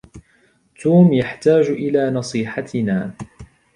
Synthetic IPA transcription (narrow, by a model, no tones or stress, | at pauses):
t̪uːmjaħt̪aːd͡ʒʔɪlaːnɑsˤiːħat̪ɪnaː